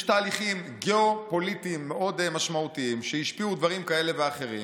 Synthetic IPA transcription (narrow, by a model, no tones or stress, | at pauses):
ʃtaːliχimɡeo̞po̞litimːeʔodemaʃmaut̪iimʃejiʃpiudvaʁimkae̞le̞veaχe̞ʁḭ